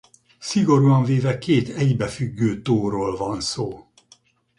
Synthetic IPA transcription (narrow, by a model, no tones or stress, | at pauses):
siɡo̞ɾuɒɱveːvɛkeːt̪ʰɛjbɛfyɡːøːt̪oːɾoːlvɒnsoː